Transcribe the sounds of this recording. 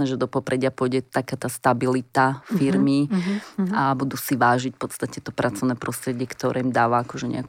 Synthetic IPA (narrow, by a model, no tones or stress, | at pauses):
nɛʒɛd̪ɔpɔpɾɛɟɪapʊɔjɟɛt̪akaːt̪aːst̪abilit̪afiɾmi | abud̪usiʋaːʒicfpɔt̪st̪acɛt̪ɔpɾʔat͡sɔʋʊnɛːpɾɔst̪ɾɛɟɪɛkt̪ɔɾʔɛ̰ːimd̪aːʋaakɔʒɛɲɛ̰ak